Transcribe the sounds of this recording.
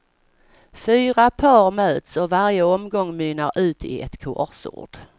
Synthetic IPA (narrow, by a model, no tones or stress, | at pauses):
fyːɾapʰɑːɾmøːt̪sɔvaɾjəɔmɡɔŋːmyːnaɾʉ̟ːt̪ʰɪ̰ɛ̰t̪kʰʊɔ̰sʊ̰ːɖ̥